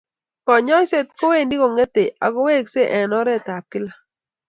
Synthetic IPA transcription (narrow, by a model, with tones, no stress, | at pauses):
kɔ˨ɲɔ˦jse˦t̪̚ko˦we˦˨ndi˦ko˨ŋe˦t̪e˨a˨ko˦we˦kse˦ʔɛ˨nɔ˦ɾɛ˦t̪a˨p̚kɪ˦la˦